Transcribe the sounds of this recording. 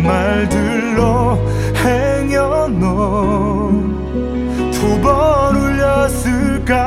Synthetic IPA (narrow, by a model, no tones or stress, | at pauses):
maɭdɯ | ɭːo | heŋjʌnɔ | tubʌɾuʎjʌsɯɭk͈a